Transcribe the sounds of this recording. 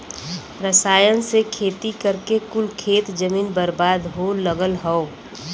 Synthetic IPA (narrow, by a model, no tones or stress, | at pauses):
ɾəsaːjənsekʰeːt̪ikəɾkekʊlkʰeːt̪d͡ʒəmiːnbəɾbaːd̪ɦoːləɡəlɦɔo